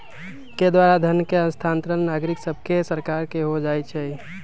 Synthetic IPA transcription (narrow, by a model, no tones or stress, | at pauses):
ked̪waːɾad̪ʱənkeə̃nst̪ʰãːnt̪ɾənnaɡɾɪksəb̚ʱkesəɾkaːɾkeɦod͡ʒaːet͡ʃʰɛ